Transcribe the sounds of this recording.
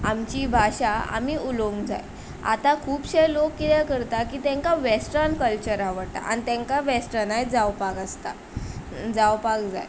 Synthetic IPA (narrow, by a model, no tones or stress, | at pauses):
amt͡ɕiːbʱaɕaa̰miːuloŋɡd͡za̰j | a̰t̪akʰuːpɕejlokːit̪ɛkəɾt̪akiːt̪ɛ̃ŋkaʋesʈənkəlt͡ɕəɾaʋəɽt̪a̰ʔa̰nit̪ɛ̃ŋkaʋesʈənajd͡zawpakast̪a | d͡zawpakd͡za̰j